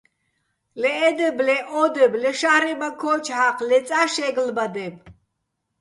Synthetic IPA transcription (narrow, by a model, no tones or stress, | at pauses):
lɛːd̪ɛblɛʔɔd̪ɛblɛʃahɾɛbakʰɔt͡ʃʰhaqʰlɛt͡sʼaʃɛɡlbad̪ɛb